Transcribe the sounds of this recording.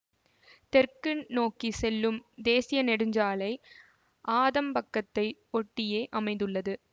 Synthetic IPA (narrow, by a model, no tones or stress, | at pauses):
t̪ɛrkɯnnoːkisɛlːɯmd̪eːsɪjɐnɛɽɯɲd͡ʒaːlɐɪ | ʔaːðɐmpɐkːɐt̪ːɐɪɔʈːɪjeːʔɐmɐɪnd̪ɯɭːɐðɯ